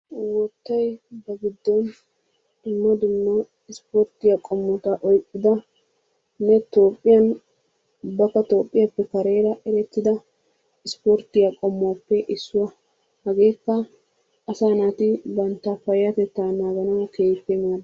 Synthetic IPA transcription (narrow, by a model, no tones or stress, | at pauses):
wɔt̪ːɐjbɐɡɪd̪ːɔn | ɪnːɔd̪ɪnːɔ | ɪspoɾt̪ɪjakʼɔmːɔt̪aʔɔjkʼːɪd̪ɐ | nɛt̪o̞ːpʼːɪjɐn | ʊbːɐkːɐt̪o̞ːpʼːɪjɐpːɛkɐɾe̞ːɾɐʔɛɾɛt̪ːɪd̪ɐ | ɪspoɾt̪ɪjakʼɔmːpːɛʔɪsːʊwɐ | hɐɡe̞ːkːɐ | ɐsaːnat̪ɪbɐnt̪ːɐfɐjɐt̪ɛt̪ːaːnaːɡɐnɐwke̞ːfemaːd